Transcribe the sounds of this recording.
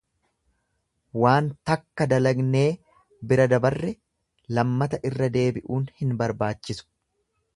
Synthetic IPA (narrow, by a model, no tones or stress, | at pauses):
waːnt̪ɐkːɐd̪ɐlɐɡne̞ː | bɪɾɐd̪ɐbɐrːɛ | lɐmːɐt̪ɐʔɪrːɐd̪e̞ːbɪʔuːnhɪnbɐɾbaːt͡ʃːɪsʊ̥